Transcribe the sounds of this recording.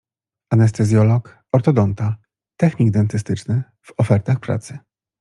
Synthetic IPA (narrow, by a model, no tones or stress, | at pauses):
anɛst̪ɛzʲjɔlɔk | ɔɾt̪ɔd̪ɔnt̪a | t̪ɛxɲiɡd̪ɛnt̪ɘst̪ɘt͡ʂnɘ | v̥ɔfɛɾt̪axpɾa̰t̪sɘ